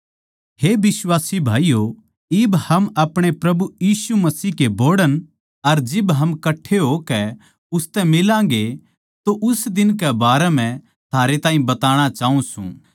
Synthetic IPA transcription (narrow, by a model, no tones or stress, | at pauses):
hebɪswaːsibʱaːijo | ɪbhɐmɐpɽ̃epɾɐbujiːsumɐsiːɦkeboːɽən | ɐɾd͡ʒɪbɦɐmkɐʈʰeɦokɛ | ʊst̪ɛ̃mɪlãːŋɡe | t̪oʔʊsd̪ɪnkɛbaːɾɛm̤ɛ̃ | t̪ʰaːɾet̪ãːɦĩbɐt̪aːɽ̃at͡ʃaːũsṵ̃ː